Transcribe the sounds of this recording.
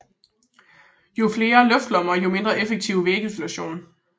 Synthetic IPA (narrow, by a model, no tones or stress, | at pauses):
jo̝fle̝ːɐlœfd̥lɒ̽mɐjo̝me̝nd̥ʁɐʔefəɡ̥̚t͡sʰiʊʋeːɡ̥əsluæɕo̝̰ːn